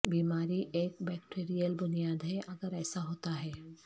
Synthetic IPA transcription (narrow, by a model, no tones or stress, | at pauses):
bimaɾiʔekbɛkʈʰeɾijəlbunijad̪ʱeʔaɡəɾajsaɦot̪aɦɛ